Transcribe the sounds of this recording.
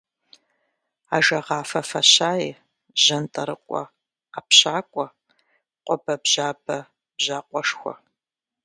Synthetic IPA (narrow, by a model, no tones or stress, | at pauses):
aːʒɐʁɑːfɐfɐɕaːi | ʑɐntʼɐɾɨqʷʼɔ̰ | aːpɕaːkʷʼɔ | qʷʼɔbɐbʑaːbɐ | bʑaːqʷʼɔʂxʷɔ̰